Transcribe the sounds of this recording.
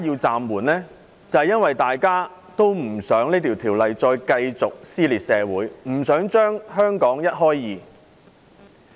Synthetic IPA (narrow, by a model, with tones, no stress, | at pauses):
a˥jiː˧wt͡saː˨mwuː˨˩nlɛː˥ | t͡sɐ˨˧hɐ˨jɐ˥nwɐ˨jt̪aː˨jkaː˥ | t̪o˥wm̩˨˩sœː˨˥ŋneː˥t̪ʰi˨wt̪ʰiː˨˩wlɐ˨jt͡sɔː˧jkɐ˧jt͡sʊ˨k̚siː˥liː˨t̚sɛː˨wuː˨˥jm̩˨˩sœː˨˥ŋt͡ʃœː˥ŋɦœː˥ŋkɔː˨˥ŋjɐ˥t̚ɦɔː˥jːiː˨˧